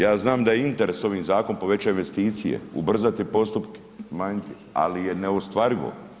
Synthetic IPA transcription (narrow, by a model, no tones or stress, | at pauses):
jaːznaːmd̪ajeint̪e̞ɾeso̞ʋiːmzaːko̞npo̞ʋe̞t͡ɕajinʋe̞st̪iːt̪sije̞̰ṵbr̩zat̪iepo̞st̪upke̥maɲe | a̰lije̞neost̪ʋaɾiʋo̰